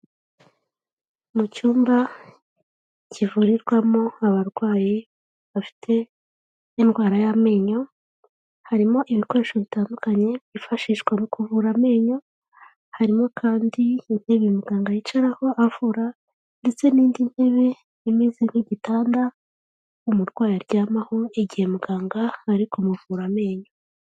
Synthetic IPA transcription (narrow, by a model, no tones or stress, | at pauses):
mucuːmba | civuːɾiɾɡwamoaβaɾɡwaːji | βafi̥tʰe̞ː | nɡwaːɾajame̞ːɲo̞ | haɾimo̞ʔiβiko̞ɾe̞ʃo̞βitaːndukaɲe̞βifaʃiːʃɡwamukʰuvuɾame̞ːɲo̞ | haɾimo̞kʰaːndiːn̥he̞βemuɡaːŋɡajit͡ʃaɾaho̞ʔavuːɾa | nde̞t͡se̞niːndin̥he̞βe̞ | imiːziŋ̥hiɟitaːnda | umuɾɡwaːjiɾɟaːmahoiɟihe̞muɡaːŋɡaːɾikomuvuːɾame̞ːɲo̞